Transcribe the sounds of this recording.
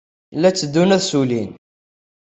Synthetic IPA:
lːæt͡sːəd̪ːunæðsulin

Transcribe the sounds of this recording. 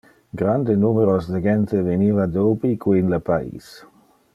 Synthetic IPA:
ɡɾand̪enumeɾosd̪eɡent̪eveniːvad̪oːbikwinlapaḭːs

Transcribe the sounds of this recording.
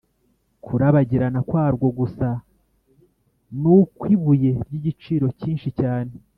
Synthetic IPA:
kʰuɾaβaɟiɾanakwaːɾɡo̞ɡusa | nukwiβuje̞ɾɟiɟit͡ʃiːɾo̞ciːnʃicaːne̞

